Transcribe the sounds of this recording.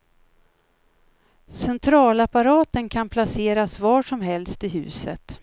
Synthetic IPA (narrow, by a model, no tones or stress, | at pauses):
sɛnt̪ʰɾɑːlapaɾɑːt̪ənkʰanpʰlaseːɾasvɑːʂɔmɦɛlst̪ɪɦʉ̟̰ːsə̰t̪